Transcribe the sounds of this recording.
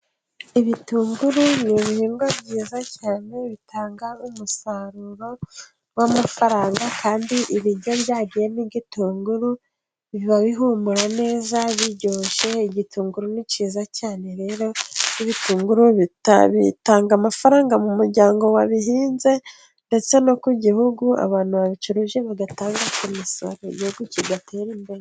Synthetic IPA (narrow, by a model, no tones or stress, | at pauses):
iβituːŋɡuɾuniβihiːŋɡwabɟiːzacaːne̞βitʰaːŋɡaumusaɾuɾo̞ | wamafaɾaːŋɡakʰaːndiʔiβiɾjo̞βjaːɟijeniɟituːŋɡuɾu | βiβaβiɦumuɾane̞ːzaβiɟoːʃe̞iɟituːŋɡuɾuniciːzacaːne̞ɾe̞ːɾoiβituːŋɡuɾuβitβḭtaːŋɡamafaɾaːŋɡamumuɾɟaːŋɡo̞waβihiːnze̞ | nde̞t͡se̞no̞kuɟihuɡua̰βaːn̥huβaβit͡ʃuɾuʒe̞βaɡataːŋɡakomiso̞̰ɾoḭɟihuɡuciɡatʰe̞ːɾiːmbe̞ɾe